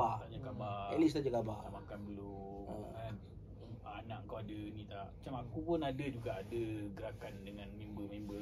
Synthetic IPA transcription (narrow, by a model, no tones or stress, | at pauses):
aaɲakabaɛlis̬t̪aɲakabamakanduloəan | anaʔəŋkawadənit̪aʔmat͡ʃamakupʊnadəd͡ʒuɡaʔadəɡəɾakandəŋanmimbəmimbə